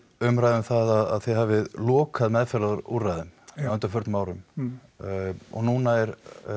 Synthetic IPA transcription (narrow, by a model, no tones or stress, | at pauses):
ʏmɾajðʏmθaðaða̰ðθɛðɦaːvɪðlɔːkʰaðmɛðfɛɾlaðɾṵrajðʏmʏnt̪afʏɾt̪nmaːwɾʏm | ɔ̰ɣnunaɛɾ